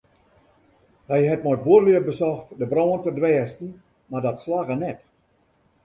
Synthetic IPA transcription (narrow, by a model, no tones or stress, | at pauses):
hɛjɦɛt̚mɔjt̚buərəliəbəsɔxtdəbroːəntədʋɛːstn̩ | mardɔtslaɣənɛt